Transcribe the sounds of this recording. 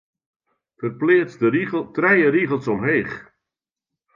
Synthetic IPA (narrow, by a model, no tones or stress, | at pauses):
fərplɪːstrɛjəriɣəlˠsɔmɦeːχ